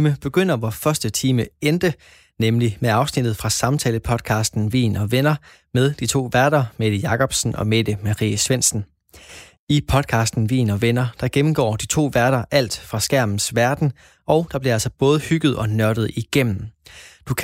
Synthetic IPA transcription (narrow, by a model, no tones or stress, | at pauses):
məb̥e̝ɡ̥øn̰ɐʋɒfɶɐsd̥ət͡sʰiːməend̥ə | nemlimeɑ̈ʊsnid̥ð̞̩ˠfʁɑ̈sɑ̈mt͡sʰɛ̰ːləpʰɒ̽d̥̚kʰɑ̈ːsd̥n̩ʋḭːnɒ̽ʋenɐ | með̞ˠd̥it͡sʰo̝̰ːʋæɐɾ̥ɐmed̥əjɑ̈kɒ̽b̥sn̩ʔɒ̽med̥əmɑ̈ʁḭːəsʋen̰sn̩ | ipʰɒ̽d̥kʰɑ̈ːsd̥n̩ʋḭːnɒ̽ʋenɐd̥ɑ̈ɡ̥emm̩ɡ̥ɒ̰ːd̥it͡sʰo̝̰ːʋæɐɾ̥ɐʔæl̰d̥fʁɑ̈sɡ̥æɐ̰mn̩sʋæɐd̥n̩ | ʔɒ̽ʊd̥ɑ̈b̥liɐælsɒ̽b̥ɔ̽ːð̞ˠəhyɡ̥ð̩ˠɒ̽nɶɐɾ̥ð̩ˠiɡ̥em̰n̩d̥ukʰ